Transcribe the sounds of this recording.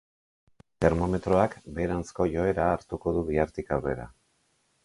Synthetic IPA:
t̪e̞ɾmo̞me̞t̪ɾo̞akbe̞ːɾansko̞jo̞e̞ɾaːɾt̪uko̞ðuβiaɾt̪ikawre̞̰ɾa̰

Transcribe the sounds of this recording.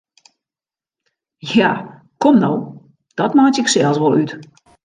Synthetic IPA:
ja | kɔmnow | d̥ɔtmaːt͡ʃɪksɛlˠsʋolˠyt

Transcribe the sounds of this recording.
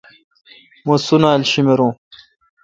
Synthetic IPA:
mosunaːlɕimeɾõː

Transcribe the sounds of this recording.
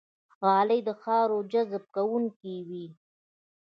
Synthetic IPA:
ɣɑːləjd̪əxɑːɾod͡ʒazb̚kawuŋkiwi

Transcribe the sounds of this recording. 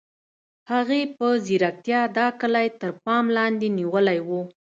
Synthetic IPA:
haɣepəziɾak̚t̪jɑd̪ɑkəlajt̪əɾpɑmlɑnd̪eniwəlajwu

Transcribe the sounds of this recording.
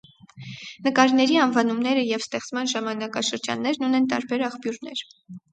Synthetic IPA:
nəkɑɾnɛɾiɑnvɑnumnɛɾəjɛvst̪ɛχt͡smɑnʒɑmɑnɑkɑʃəɾd͡ʒɑ̰nːɛɾnunɛnt̪ɑ̰ɾbɛɾɑχpjuɾnɛɾ

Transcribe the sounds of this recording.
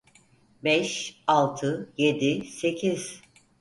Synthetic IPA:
bɛʃalˠt̪ʰɯjed̪ise̞cʰiz̥

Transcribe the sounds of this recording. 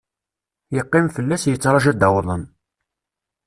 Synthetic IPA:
jəqːɪmfəlːæsjət͡sːɾˤɑʒæd̪əwðˤən

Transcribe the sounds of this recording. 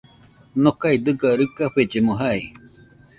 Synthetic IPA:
nokajd̪ɨɡaɾɯkaɸed͡ʒemoɦaj

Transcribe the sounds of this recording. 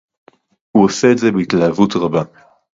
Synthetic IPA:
huose̞ːtze̞beitlahavutʁaba

